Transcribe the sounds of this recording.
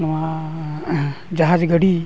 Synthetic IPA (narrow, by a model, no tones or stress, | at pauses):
nma | d͡ʒaɦad͡ʒɡəɽi